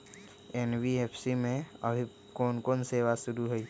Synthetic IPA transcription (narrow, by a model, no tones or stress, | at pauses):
eːnwieːpʰsimẽə̰bʱi | koːnkoːnseːʋasʊɾuɦoi